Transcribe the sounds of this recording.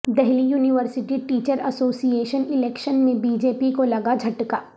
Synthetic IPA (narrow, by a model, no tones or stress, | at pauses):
d̪ɛɦlijuːnɪʋəɾsɪʈiʈiːt͡ʃəɾɐsoːsijeːʃənɪlɛːkʃənmẽbiːd͡ʒeːpikolɐɡad͡ʒʱɐʈkaː